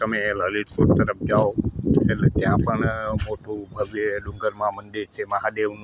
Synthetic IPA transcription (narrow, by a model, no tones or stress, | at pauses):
t̪əmẽləlit̪koʈ̚t̪əɾəp̚ʰd͡ʒaoelet̪jãpəɳmoʈubʱəʋeɖũŋɡəɾmãmənd̪iɾt͡ʃʰeməɦad̪eʋm